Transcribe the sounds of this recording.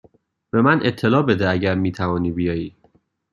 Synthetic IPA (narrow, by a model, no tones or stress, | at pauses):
b̥e̞mænʔet̪ʰːe̞lɒːbe̞d̪eæɟæɾmiːt̪ʰævɒːniːbijɒːjiː